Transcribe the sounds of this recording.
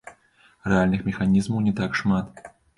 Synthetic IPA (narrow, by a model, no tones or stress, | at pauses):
rɛalʲnɨxmʲɛxanʲizmɐwnʲɛt̪akʂmat̪